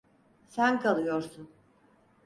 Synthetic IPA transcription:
sænkʰalˠɯjoɾsun

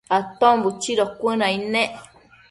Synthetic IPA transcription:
at̪õmbut͡ʃiɾokʷɨ̃nãĩnẽʔ

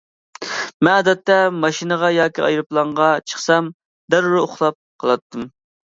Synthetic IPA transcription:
mɛnɑːd̪ɛt̪ːɛmɑʃinəʁɑjɑːkʲiɑ̰jɾɨplˠɑɴʁɑt͡ʃʰə̥χsɑm | d̪æɾɾɪoχlˠɑp̚qʰəlˠɑt̪ʰːɨm

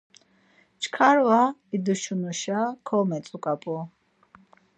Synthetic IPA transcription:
t͡ʃʰkʰaɾwaid̪uʃunuʃakʰɔmɛt̪t͡s̪ʼukʼapʼu

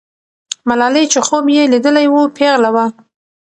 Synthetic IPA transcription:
malɑlet͡ʃexobjelid̪əlajwupʰeɣlawa

